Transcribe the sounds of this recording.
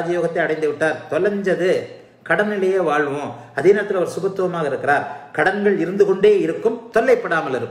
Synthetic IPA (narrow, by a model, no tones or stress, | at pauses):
d͡ʒɐjoːɣɐt̪ːɐɪɐɽɐɪnd̪ɯʋɪʈːaːɾt̪ɔlɐɲd͡ʒɐðɯ | kɐɽɐnɪlɐjeːʋaːɭɯʋʊ̃ːɐðeːnɐːɐt̪ːɪlɐʋɐɾsʊɣɐt̪ːɯʋɐmaːɣɐɪɾɯkːɪɾaːɾkɐɽɐŋɡɐɭɪɾɯnd̪ɯkɔɳɖeːɪɾɯkːɯmt̪ɔlːɐɪpːɐɽaːmɐlɪɾɯkːɯ